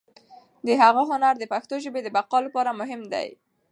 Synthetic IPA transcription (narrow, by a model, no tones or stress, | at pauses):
d̪əɦaɣaɦʊnaɾd̪əpaxt̪oʒəbed̪əbaqɑlapɑɾamʊɦɪmd̪a̰j